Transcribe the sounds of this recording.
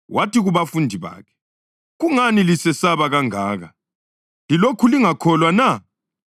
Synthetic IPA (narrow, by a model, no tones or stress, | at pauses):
wʔatiɣuβafundʱiβa̰ːkʰɛ̥ | ɣuŋanilisɛsaβaɣaŋa̰ːɣa | lilokʰuliŋakʰɔlwana